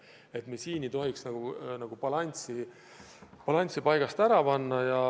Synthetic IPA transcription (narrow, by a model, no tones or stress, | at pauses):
e̞t̪mesiːnit̪o̞ɦiksnɑɡ̥unɑɡ̥upɑlɑnʲt̪si | pɑlɑnʲt̪sipɑjɡ̥ɑst̪æɾɑpɑnːɑjɑ